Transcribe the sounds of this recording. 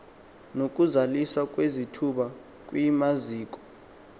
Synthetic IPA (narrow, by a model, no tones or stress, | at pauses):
nok̬ʼuzaliswak̬ʼwezitʰuɓa | k̬ʼwimaziːk̬ʼɔ̥